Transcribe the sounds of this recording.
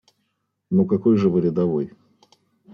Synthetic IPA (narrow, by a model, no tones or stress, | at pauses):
nukɐko̞jʐɨvɨɾʲɪd̪ɐvoj